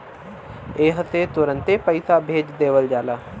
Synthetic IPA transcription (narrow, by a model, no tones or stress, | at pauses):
eːɦəset̪ʊɾə̃nt̪epəɪsaːbʱeːd͡ʒd̪eːʋəld͡ʒaːlaː